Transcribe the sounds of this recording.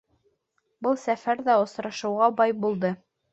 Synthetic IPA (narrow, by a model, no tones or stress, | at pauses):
bɤlˠsæfæɾðæŏsɾɑʃɤ̆wʁɑbɑjbulˠd̪ɤ